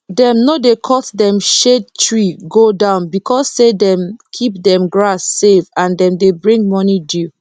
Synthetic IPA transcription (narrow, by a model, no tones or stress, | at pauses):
dɛ̃mnodekʰɔtdɛ̃mʃed̚tʰɹiɡodãʊ̃nbikʰɔssedɛ̃mkʰip̚dɛ̃mɡɹasːevãndɛ̃mdebɹĩŋɡmɔnidu